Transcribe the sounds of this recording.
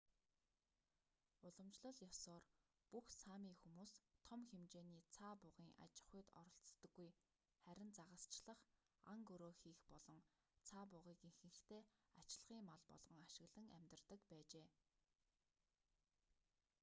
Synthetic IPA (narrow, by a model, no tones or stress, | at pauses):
ʊɮɞ̆mt͡ɕɮə̆ɮjɔsɔːr | puxsamiːxumuːst̪ʰɔmxemt͡ɕeːniːt͡sʰaːpʊʁiːŋʔa̰t͡ɕɪ̥̆χʊjt̪ɔ̰ɾɞ̆ɬt͡st̪ə̆ɡːuj | χæɾʲɪ̆nt͡saʁə̆st͡ɕɮə̆χ | a̰ŋɡɵɾoːxiːxpɔɮɞ̆ŋ | t͡sʰaːp̬ʊʁiːkiŋxɘ̆ŋɬt̪ʰeːat͡ɕɪɮʁiːŋmaɮpɔ̰ɮʁɞ̆ŋaʃɪ̆ɣɮə̆ŋæ̰mʲt̪ə̆rt̪ə̆kpæːt͡ɕeː